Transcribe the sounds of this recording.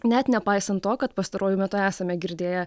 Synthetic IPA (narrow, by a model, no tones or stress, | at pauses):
nʲɛt̪nʲɛpɑɪsɐnt̪toːkɐt̪̚pɐst̪ɐɾoːjʊmʲɛt̪ʊæːsɐmʲɛɡʲɪɾʲd̪ʲeːjɛ